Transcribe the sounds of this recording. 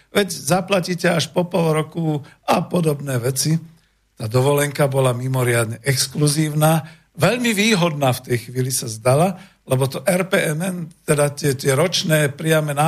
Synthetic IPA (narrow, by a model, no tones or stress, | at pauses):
ʋɛɟzaplaciːcɛaʃpɔpɔlˠɾɔku | apɔd̪ɔbnɛːʋɛt͡si | t̪aːd̪ɔʋɔlɛŋkabɔlamimɔɾɪad̪ɲɛʔɛkskluziːʊnaː | ʋɛʎmiʋiːɦɔd̪naːft̪ɛjxʋiːlisazd̪ala | lɛbɔt̪ɔʔɛɾpɛʔɛnɛnt̪ɛd̪at̪ɪɛt̪ɪɛɾɔt͡ʃnɛːpɾɪamɛna